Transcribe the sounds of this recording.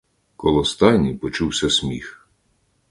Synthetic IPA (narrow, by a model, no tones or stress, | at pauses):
kɔlˠɔst̪ɑjnʲijpɔt͡ʃuwsʲɐsʲmʲix